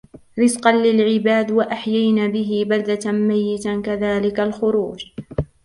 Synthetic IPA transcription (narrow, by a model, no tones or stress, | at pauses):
ɾɪzqɑnlɪlʕɪbaːd̪waʔaħjajnaːbɪɦɪbald̪amajːɪt̪kaðaːlɪkalxʊɾuːd͡ʒ